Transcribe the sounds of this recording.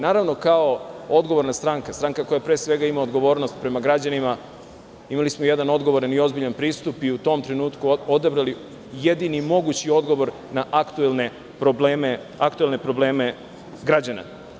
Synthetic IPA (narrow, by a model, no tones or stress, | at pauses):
naːɾaʋno̞kaoo̞d̪ɡo̞ʋo̞ɾnast̪ɾaːŋkast̪ɾaːŋkako̞japɾe̞ːsʋe̞ɡaimao̞d̪ɡo̞ʋo̞ːɾnost̪pɾe̞maɡɾad͡ʑanima | imalismoje̞d̪ano̞d̪ɡo̞ʋo̞ɾanio̞zbiʎanpɾiːst̪upiut̪o̞mt̪ɾe̞nuːt̪kuod̪abɾali | je̞d̪inimo̞ɡut͡ɕio̞d̪ɡo̞ʋo̞ɾ | naʔakt̪uelne | pɾobleme | akt̪uelne̞pɾo̞bleːme̞ | ɡɾad͡ʑana̰